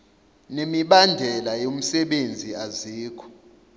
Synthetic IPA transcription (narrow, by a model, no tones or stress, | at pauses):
nemiɓandʱɛlajom̩sɛɓend͡zʱiaziːkʰɔ̥